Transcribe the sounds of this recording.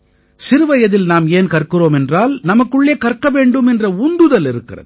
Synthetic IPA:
sɪɾɯʋɐjɐðɪlnaːmeːnkɐrkɪroːmɛndraːlnɐmɐkːɯɭːeːkɐrkːɐʋeːɳɖɯmɛndrɐʊnd̪ɯðɐlɪɾɯkːɪrɐ̰ð

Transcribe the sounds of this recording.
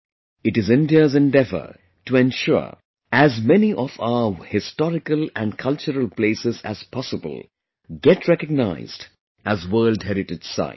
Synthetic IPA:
ɨʈɨzɪ̃nɖiəzɛ̃nɖɛvə̰ | ʈuɛ̃nʃɔ̰ | æzmɛniʔɔfa̰əhɪstɔɾɪkəlæ̃nkʰʌlt͡ʃəɾəlˠpleɪsɪzæ̰z̥pʰɔsəbə̰lˠ | ɡɛʈɹɛkəɡ̚naɪz̥d | æzwɜːldhɛɾɪʈɨdsa̰ɪ

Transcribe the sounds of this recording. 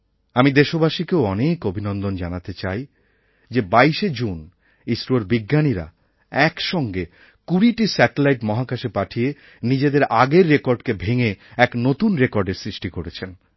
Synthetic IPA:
amid̪eʃobaʃikeoɔnekobʱinɔnd̪ond͡ʑanat̪et͡ɕaj | d͡ʑebaiʃed͡ʑun | isɾoɾbiɡːaniɾa̰ | ɛkʃɔŋɡe | kuɾiʈisɛʈelajʈmɔɦakaʃepaʈʰie | nid͡ʑed̪eɾaɡeɾːekoɾɖkebʱeŋeɛknot̪unɾekoɾɖeɾsɾiʃʈikoɾet͡ɕʰen

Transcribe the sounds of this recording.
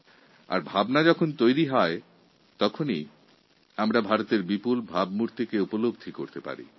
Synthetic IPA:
a̰ɾbʱabnad͡ʑɔkʰont̪ojɾiɦɔe | t̪ɔkʰoni | amɾabʱaɾot̪eɾbipulbʱabmuɾt̪ʰikeupolobd̪ʱikoɾt̪epa̰ɾḭ

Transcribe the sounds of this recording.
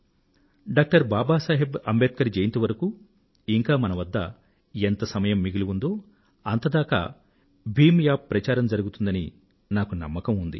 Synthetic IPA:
ɖaːk̚ʈɐɾbaːbaːsaːɦebɐ̰mbeːt̪̚kɐɾid͡ʒejint̪ɐʋɐɾɐku | iŋkaːmɐnɐʋɐd̪ːɐ̰ | ent̪ɐsɐmɐjɐmːiɡiluund̪o̞ː | ɐnt̪ɐd̪aːka̰ː | bʱiːmjaːɾɐt͡ʃaːɾɐmd͡ʒɐɾuɡut̪und̪ɐnḭ | naːkunɐ̰mːɐkɐmund̪ḭ

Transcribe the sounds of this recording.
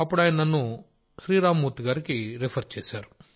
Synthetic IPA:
ɐpːuɽaːjinɐnɐnːu | ʃɾiːɾaːmːuːt̪iɡaːɾikiɾipʰɐɾt͡ʃeːsaːɾu

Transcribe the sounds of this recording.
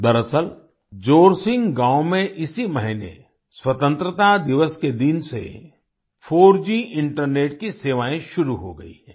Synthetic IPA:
d̪ɐɾəsəl | d͡ʒoːɾsɪ̃ŋɡɡãːomẽʔɪsimɐɦɪnḛ | swɐt̪ə̃nt̪ɾət̪ad̪ɪʋəsked̪ɪnsḛ | foːɾd͡ʒĩɪ̃ɳʈəɾneːʈkiseːʋaːẽʃʊɾuɦo̰ɡɐ̰ḭɦɛ̃ː

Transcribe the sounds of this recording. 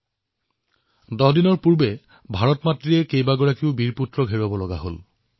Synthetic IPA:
dɔɦdinɔɹpuɹbɛ | bʱaɹɔtmatɹiɛkejbaɡɔɹakiʊbiɹputɹɔɡʱeɹabɔlɔɡa̰ɦo̰l

